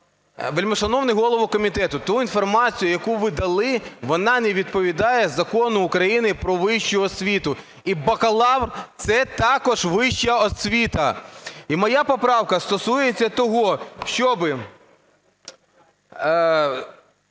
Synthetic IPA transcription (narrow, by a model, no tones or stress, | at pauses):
ʋelʲmɔʃɐnɔwnɪɦɔlˠɔʋʊkɔmʲit̪ɛt̪ʊt̪uinfɔrmɑt͡sʲijʊjɐkuʋɪd̪ɐlˠɪʋɔnɑnɛʋʲid̪̚pɔʋʲid̪ɑjɛzɐkɔnʊːkɾɐjinɪpɾɔʋɪʃt͡ʃʊɔsʲʋʲit̪ʊ | ibɐkɐlˠɑʋrt̪sɛt̪ɑkɔʒʋɪʃt͡ʃɐɔsʲʋʲit̪ɐimɔjɑpɔpɾɑwkɐst̪ɔsujet͡sʲːɐt̪ɔɦɔʃt͡ʃɔbɪ